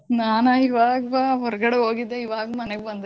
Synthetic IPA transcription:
naːnɐiʋaːɡɐbaɦɔɾɐɡɐɽeɦoːɡid̪ːeiʋaːɡɐmɐneɡbɐnd̪e

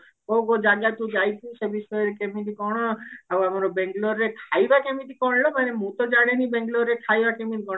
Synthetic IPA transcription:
oɡod͡ʒaɡat̪ud͡ʒajt̪ʰusebisɔjɔɾekemit̪ikɔɽ̃ɔawamɔɾɔbeŋɡlɔɾːet̪ʰajbakemit̪ikɔɽlɔmanemũt̪ɔd͡ʒaɽenibeŋɡlɔɾːet̪ʰajbakemit̪ikɔɽ̃ɔ

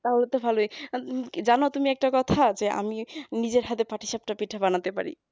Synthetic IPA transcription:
t̪aɦolet̪obʱaloi | d͡ʑanot̪umiɛk̚ʈakɔt̪ʰad͡ʑeʔa̰minid͡ʑeɾɦat̪epaʈiʃap̚ʈapiʈʰːabanat̪epa̰ɾḭ

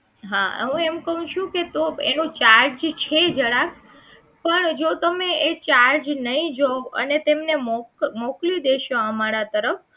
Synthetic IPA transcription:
ɦaɦũemkəɦũʃũket̪oḛnũt͡ʃaɾd͡ʒt͡ʃʰed͡ʒəɽak | pəɳd͡ʒot̪əmeet͡ʃaɾd͡ʒnəɦĩd͡ʒoə̰net̪emnemokmoklud̪eʃõəmaɾat̪əɾəf

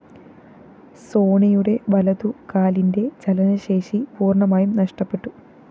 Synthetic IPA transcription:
so̞ːɳɐjuɽe̞ʋɐlɐd̪ukaːlinde̞t͡ɕɐlɐnɐɕe̞ːʂipuːrɳɐmaːjumnɐʂʈɐpːe̞ʈːu

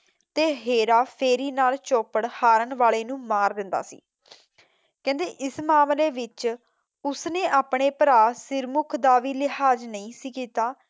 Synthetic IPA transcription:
t̪eːɦeːɾaːpʰeːɾiːnaːlt͡ʃoːpəɽhaːɾəɳʋaːɭeːnũːmaːɾːɪ̃nd̪a̰ːsḭː | kɛ̃ːnd̪eːʔɪsmaːmleːʋɪt͡ʃ | ʊsneːʔaːpɳeːpəɾaːsɪɾmʊkʰd̪aːʋiːlɪɦaːd͡ʒnəĩːsiːkiːt̪aː

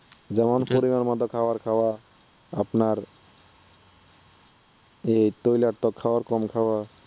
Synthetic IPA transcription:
d͡ʑɛmɔnpoɾimaɾmɔd̪ʱɔkʰawaɾkʰawa | apnaɾ | ejt̪ojlaʈt̪ɔkʰawaɾkɔmkʰawa

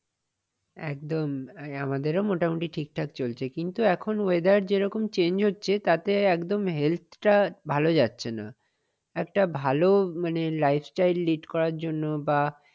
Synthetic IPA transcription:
ɛk̚d̪omamad̪eɾomoʈamuʈiʈʰik̚ʈʰakt͡ɕolt͡ɕʰekint̪uɛkʰonoed̪aɾd͡ʑeɾɔkomt͡ɕend͡ʑɦotːɕʰet̪at̪eɛkd̪omɦelt̪ʰʈabʱalod͡ʑatːɕʰena̰ | ɛk̚ʈabʱalomanelajfʰsʈajlːiʈkɔɾaɾd͡ʑonːoba

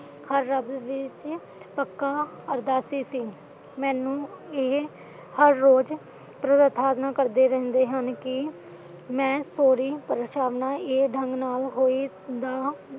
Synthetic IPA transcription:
həɾːəbʋɪt͡ʃ | pəkːaː | əɾd̪aːsiːsiː | mɛ̃ːnũːeː | həɾːoːd͡ʒ | pɾəd̪ət̪ʰaːd̪naːkəɾd̪eːɾɛ̃ːnd̪eːɦənkɪ | mɛ̃ːsoːɾiːpəɾʃaːʋnaːeːɖʱəŋɡnaːlɦoːiː | d̪aː

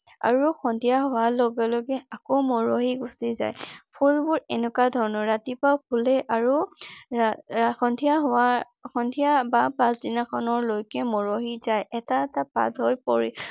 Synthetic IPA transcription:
a̰ɹuxʰɔndʱijaɦɔwalɔɡɛlɔɡɛakɔmɔɹoɦiɡusiza̰jpʰulbʊɹɛnɛkadʱɔɹɔnɔɹɹatipawpʰulɛʔaɹu | xɔndʱijaɦɔa | xɔndʱijabapãsdinakʰɔnɔɹlojkɛmɔɹoɦizajɛtaɛtapa̰dʱɦɔjpɔɹi

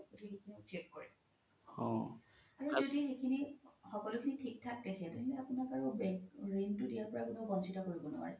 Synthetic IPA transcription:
odihekʰinit͡ʃekkɔɹɛ | hɔ̰̃aɹuzodixekʰinixɔkɔlʊkʰinitʰik̚tʰak̚tɛkʰɛtʊkʰinapunakaɹubɛkɹiŋtudijaɹpɔɹakʊnoɡɔnsitakoɹibɔnɔ̰a̰ɹɛ

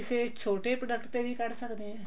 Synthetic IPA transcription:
ɪseːt͡ʃʰoːʈeːpɾəɖəkʈt̪eːʋiːkəɾsəkd̪eːɛː

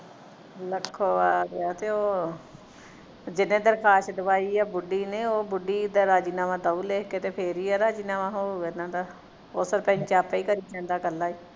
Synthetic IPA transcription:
ləkʰːoːaːɾaːt̪eːoː | d͡ʒɪnẽːd̪əɾkʰaːʃd̪əʋaːiːɛːbʊɖiːneːoːbʊɖiːd̪aɾaːd͡ʒiːnaːʋãːd̪auːleːkeːt̪eːpʰeɾiːaːɾaːd͡ʒiːnaːʋãːɦoːenãːd̪aː | osəɾpɛ̃ɲt͡ʃaːpaːiːkəɾiːt͡ʃɛ̃ːnd̪aːkəlːaːiː

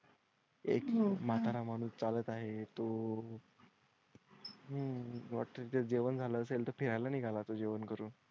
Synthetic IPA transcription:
ḛkmat̪aɾamañuːst͡salət̪aɦet̪o | ɦəʋa̰ʈːəɾit̪ed͡ʑeʋənd͡zʱaləəselt̪əɾpʰiɾajlaniːɡʱalat̪od͡ʑeʋənkəɾuːn

